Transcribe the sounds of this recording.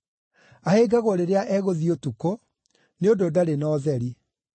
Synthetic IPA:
aheːɡaɣwɔɾeɾeaʔɛɣoðiotuko | neododaɾenɔːðɛɾi

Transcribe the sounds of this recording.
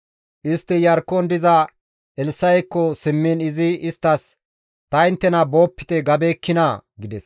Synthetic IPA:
ʔɪst̪ːɪjɐɾkːɔnd̪ɪzɐ | ɛlsɐjkːɔsɪmːɪnɪzɪɪst̪ːɐs | t̪ɐɪnt̪ːɛnɐbo̞ːpːɪ̥t̪ɛɡɐbeːkːɪnɐɡɪd̪ɛs

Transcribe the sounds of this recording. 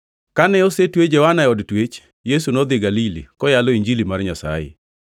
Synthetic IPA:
kanɛosetwed͡ʒɛwanaɛɔdtwet͡ʃ | jes̬unɔd̪ɪɡalilḭkɔjalɔiɲd͡ʒilimarɲasa̰jḛ

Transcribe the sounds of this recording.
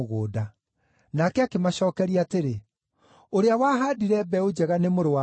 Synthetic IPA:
oɣoːda | nakɛakemaɕɔːkɛɾiateɾe | oɾeawaɦaːdiɾɛbɛod͡ʑɛɣanemoɾowa

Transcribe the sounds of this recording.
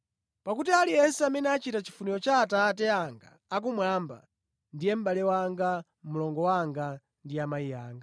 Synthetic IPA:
pakutialijɛnsɛamɛnɛat͡ʃitat͡ʃi̥funiɾɔt͡ʃaːtatɛaŋɡa̰ːk̬umwamba̰ | ndijɛm̩ɓalɛwaŋɡa | mulɔŋɡɔwaŋɡa | ndiamaijaːŋɡa

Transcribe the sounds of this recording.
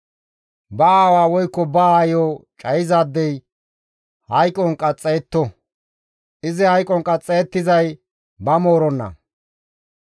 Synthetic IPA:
bɐaːwaːwɔjkːɔbajoːt͡ʃʼɐjɪzaːd̪ːɛj | hɐjkʼɔŋkʼɐt͡sʼːejɛt̪ːɔ | ʔɪzɪhɐjkʼɔŋkʼɐt͡sʼːejːt̪ːɪzɐj | bɐmoːɾɔnːɐ̰

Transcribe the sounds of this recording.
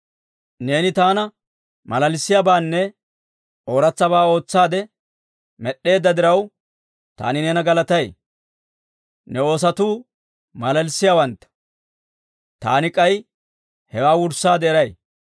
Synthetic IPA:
ne̞ːnɪt̪aːnɐ | mɐlɐlsːɪjabaːnːɛ | ʔo̞ːɾɐt͡sːɐbaːo̞ːt͡sːaːd̪ɛ | mɛɗːe̞ːd̪ːɐd̪ɪɾɐw | t̪a̰ːnɪneːnɐɡɐlɐt̪ɐj | nɛo̞ːs̬ɐt̪uː | mɐlɐlsɪjawɐnt̪ːɐ̥ | t̪a̰ːnɪkʼɐj | hɛwaːwʊɾsːaːd̪ɛɛɾɐj

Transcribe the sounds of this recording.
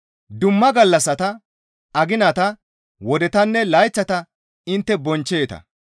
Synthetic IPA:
d̪ʊmːɐɡɐlːɐsːɐt̪ɐ | ɐɡɪnɐt̪ɐ | wɔd̪ɛt̪ɐnːɛlɐjt͡ʃːɐt̪ɐ | ɪnt̪ːɛbɔnt͡ʃːeːt̪ɐ̰

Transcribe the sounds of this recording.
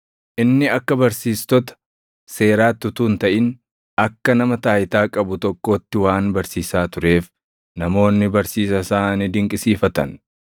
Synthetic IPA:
ʔɪnːɪɐkːɐbɐɾsiːst̪ɔt̪ɐ̥ | se̞ːɾaːt̪ːʊt̪uːnt̪ɐʔɪn | ɐkːɐnɐmɐt̪aːjɪt̪aːkʼɐbʊt̪ɔkːo̞ːt̪ːɪwaːnbɐɾsiːsaːt̪ʊɾe̞ːf | nɐmo̞ːnːɪbɐɾsiːsɐsaːnid̪ɪŋkʼɪsiːfɐt̪ɐ̰n

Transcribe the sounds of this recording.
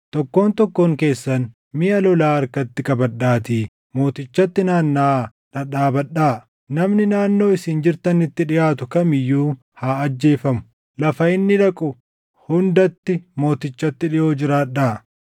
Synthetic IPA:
t̪ɔkːo̞ːnt̪ɔkːo̞ːŋke̞ːsːɐn | mɪʔɐlɔlaːɐɾkɐt̪ːɪkɐbɐɗːaːt̪iː | mo̞ːt̪ɪt͡ʃːɐt̪ːɪnaːnːaː | ᶑɐᶑaːbɐᶑːaː | nɐmnɪnaːnːo̞ːɪsɪːnd͡ʒɪɾt̪ɐnɪt̪ːɪᶑɪjaːt̪ʊkɐmɪjːuː | haːɐd͡ʒːe̞ːfɐmʊ̥ | lɐfɐɪnːɪᶑɐkʼʊ | hʊnd̪ɐt̪ːɪmo̞ːt̪ɪt͡ʃːɐt̪ːɪᶑɪjo̞ːd͡ʒɪɾaːᶑaː

